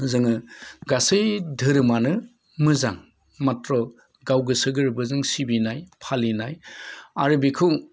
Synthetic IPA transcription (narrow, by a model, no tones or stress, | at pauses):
zɯŋɯɡasɯjdʱɯɾɯmanɯ | mɯzaŋ | matɾɔ | ɡawɡɯsɯɡɯɾbɯzɯŋsibinajpʰalinajaɾɯbikʰɯw